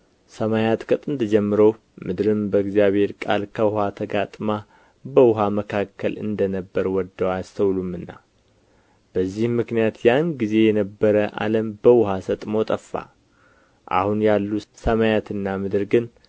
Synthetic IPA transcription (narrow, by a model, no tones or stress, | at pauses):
səmajat̪kʰʼət̪ʼɨnd̪əd͡ʒɛmːɨɾəw | mɨd̪ɾɨmbəɡzjaβe̞ɾkʼalkʰəwʊhat̪ʰəɡat̪ʼma | bəwʊɦaməkʰakːəlɨ̰nd̪ənəbːəɾwɔd̪ːəwast̪ʰəwlumɨnːa̰ | b̥əzːihmɨknijat̪janɡize̞jɛnəbːəɾəʔa̰ləmbəwʊhasət̪ʼmo̞t̪ʼəfːa̰ | ʔa̰hunjalːusəmajat̪ɨnːamɨd̪ɨɾɡɨn